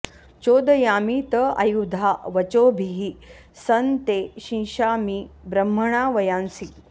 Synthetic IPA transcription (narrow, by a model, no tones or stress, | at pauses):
t͡ʃoːd̪əjaːmiːt̪əa̰jud̪ʱaʋɐt͡ɕoːbʱiɦi | sɐnt̪eɕĩːʃaːmibɾəm̤ːəɳ̃aːʋɐjãnsi